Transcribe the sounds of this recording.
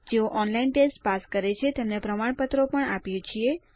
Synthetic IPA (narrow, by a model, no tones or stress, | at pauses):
d͡ʒeoʔɔnlainʈesʈpaskəɾet͡ʃʰet̪emnepɾəmaɳpət̪ɾopəɳapjot͡ʃʰie